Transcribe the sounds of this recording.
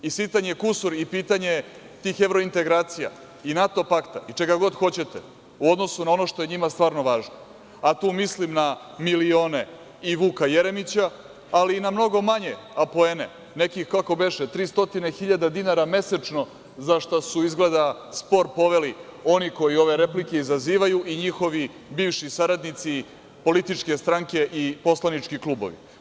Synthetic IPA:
isit̪aɲekusuɾipiːt̪aɲe̞ | t̪ixe̞ʋɾo̞int̪e̞ɡɾaːt̪sija̰ | inat̪o̞pakt̪ait͡ʂe̞ɡaɡo̞d̪xo̞t͡ɕe̞t̪e | uod̪no̞sunao̞no̞ʃt̪o̞jeɲimast̪ʋaːɾno̞ʋaːʒno | at̪uːmislimna | milio̞ːne | iʋuːkajeɾemit͡ɕa | aliːnamno̞ɡo̞maɲe | apoenḛ | ne̞kixkako̞be̞ʃet̪ɾiːst̪o̞t̪inexiʎad̪ad̪inaɾame̞set͡ʃno̞ | zaʃt̪asuizɡled̪aspo̞ɾpo̞ʋe̞lio̞niko̞jio̞ʋe̞ɾe̞plike̞izaziːʋajuʔiɲixo̞ʋi | biːʋʃisaɾad̪nit̪si | po̞lit̪it͡ʃke̞st̪ɾaŋke̞ʔipo̞slˠanit͡ʂkiklˠuːbo̰ʋḭ

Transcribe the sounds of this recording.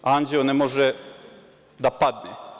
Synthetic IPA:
aːnd͡ʑeonemoʒe | d̪apad̪ne

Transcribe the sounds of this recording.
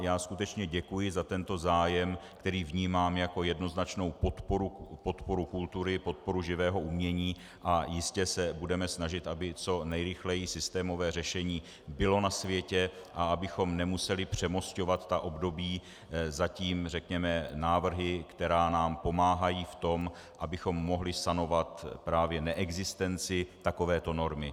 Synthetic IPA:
jaːskut̪ɛt͡ʃɲɛɟɛkujɪzat̪ɛnt̪o̞zaːjɛmkt̪ɛɾiːvɲiːmaːmjako̞jɛdno̞znat͡ʃno̞wpot̪poɾupo̞t̪po̞ɾukult̪uɾɪpo̞t̪̚po̞ɾuʒɪvɛːɦo̞ʔumɲɛɲiː | ʔajɪscɛsɛbudɛmɛsnaʒɪt̪ʔabɪt͡so̞nɛjɾɪxlɛjisɪst̪ɛːmo̞vɛːrɛʃɛɲiː | bɪlo̞nasvjɛcɛ | ʔaabɪxo̞mnɛmusɛlɪpr̝̥ɛmo̞sco̞vat̪ːaʔo̞bdo̞biː | zaciːmrɛkɲɛmɛnaːvr̩ɦɪkt̪ɛɾaːnaːmpo̞maːɦajiːft̪o̞m | ʔabɪxo̞mːo̞ɦlɪst̪ano̞vat̪pɾaːvjɛnɛʔɛɡzɪst̪ɛnt͡sɪt̪ako̞vɛːt̪o̞no̞ɾmɪ

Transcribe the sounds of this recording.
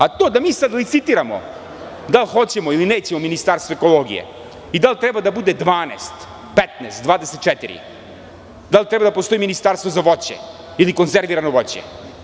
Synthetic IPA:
at̪oːd̪amiːsad̪lit̪sit̪iɾamo̰ | d̪alˠxo̞t͡ɕemoilineːt͡ɕemo̞minist̪aɾst̪voeko̞lˠoːɡḭjḛ | id̪alʲt̪ɾebad̪abud̪ed̪ʋaːnḛst̪ | pet̪neːst̪̚d̪vaːd̪eset̪̚t͡ʃet̪iɾḭ | d̪alʲt̪ɾebad̪apost̪o̞iminist̪aɾst̪vo̞zaʋo̞t͡ɕḛ | ilikonzeɾʋiɾanoʋo̞t͡ɕḛ

